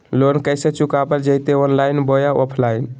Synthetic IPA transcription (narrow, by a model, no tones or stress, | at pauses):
lonkəjset͡ʃukabəld͡ʒət̪eɔnlajnbojaɔpʰlain